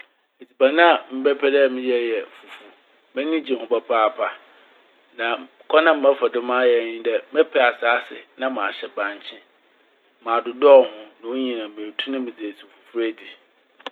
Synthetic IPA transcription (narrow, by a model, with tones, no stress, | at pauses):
e˨t͡sʰi˨ba˨nã˦a˨m̩˦bɛ˦pʰɛ˦dɛ˦˨mɪ̃˦jɛ˦˨jɛ˨fu˨fu˨ | mɛ̃˦nĩ˦d͡ʑi˨hʊ̃˦ba˨pʰa˦a˨pʰa˨ | nã˨ | kʰɔ˦nã˦m̩˦ɛ˦fɛ˨dʊ̃˦mã˦jɛ˨ɲĩ˦dɛ˦mɛ˦pʰɛ˨a˨sa˨˦sɪ̰˨nã˦mã˨ɕɛ˨bã˨ɲ˨t͡ɕʰɪ̃˦ | mã˨dʊ˨dɔ˦˨hʊ̃˦nã˨˦ɲĩ˨nã˨mẽ˨tʰũ˦nã˦mɪ̃˨d͡zi˨e˨su˨fu˨fu˦ɾe˦di˨